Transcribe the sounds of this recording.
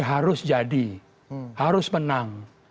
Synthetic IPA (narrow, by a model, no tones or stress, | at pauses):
ɦaɾʊsd͡ʒadi | haɾʊsmənaŋ